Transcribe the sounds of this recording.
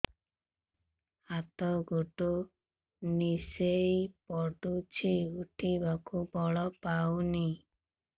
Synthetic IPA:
at̪ɔɡoʈo | nisejpɔʈut͡ʃʰiuʈʰibakubʱɔɭɔpawni

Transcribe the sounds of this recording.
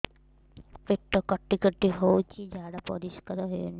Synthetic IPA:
peʈːɔkɔʈːikɔʈiɦowt͡ʃʰid͡ʒaɽapɔ̰ɾiʃkaɾɔɦojoni

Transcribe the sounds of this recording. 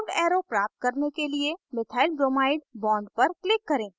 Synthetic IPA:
ɖɛːɾopɾaːp̚t̪̚kɐɾnekeliemɪt̪ʰaːɪlbɾoːmaːɪɖbɔ̃ːɳɖpɐɾklɪkːɐɾẽː

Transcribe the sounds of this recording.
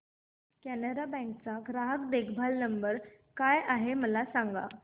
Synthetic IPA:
kænəɾabɛ̃ŋk̚t͡saɡɾaɦəkd̪ekʰbʱalnəmbəɾ | kajʔaɦeməlasãŋɡa̰

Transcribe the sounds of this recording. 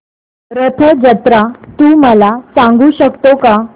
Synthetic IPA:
ɾət̪ʰəd͡ʑət̪ɾat̪uːməlasãŋɡuːɕəkt̪oka

